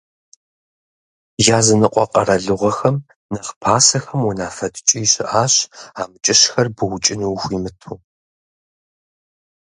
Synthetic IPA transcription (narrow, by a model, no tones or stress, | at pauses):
jaːzɨnɨqʷʼɔqʼɐɾɐɮɨʁʷɐxɐm | nɐχpʰaːsɐxɐmunaːfɐdt͡ʃʼijɕɪʔaːɕaːmɨt͡ʃʼɪɕxɐrbɨwʊt͡ʃʼɪniwxʷiːmɨtʰuː